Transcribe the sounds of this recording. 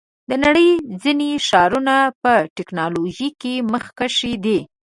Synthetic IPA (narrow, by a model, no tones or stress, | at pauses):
d̪ənaɽəjzineʃɑɾunapəʈɪknɑloʒikeməxkaʃid̪i